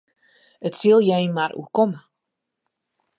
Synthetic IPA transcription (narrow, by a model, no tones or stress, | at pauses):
ətsilˠjɛjnmarʔṵkɔmə